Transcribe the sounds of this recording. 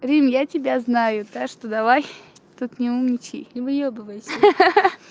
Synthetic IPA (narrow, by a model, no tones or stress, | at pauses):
ɾʲimjatʲɪbʲaznajʊt̪akʂt̪od̪ɐvaj | t̪ut̪nʲɪumnʲɪt͡ɕḭivɨjobɨvasʲ